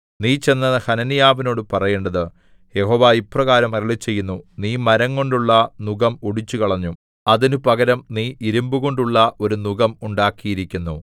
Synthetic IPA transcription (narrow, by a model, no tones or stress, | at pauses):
niːt͡ɕe̞nːɐhɐnɐnijaːʋino̞ːɽɨpɐrɐjeːɳɖɐðɨ | je̞ɦo̞ːʋaːiprɐɣaːɾɐmɐɾɐɭit͡ɕːe̞jːunːuniːmɐɾɐŋːo̞ɳɖuɭːɐnuɡɐmoɽit͡ɕːukɐɭɐɲːum | ɐðinupɐɡɐɾɐmniːʔiɾumbuɣo̞ɳɖuɭːɐʔo̞ɾunuɡɐmuɳɖaːkːijiɾikʲːunːu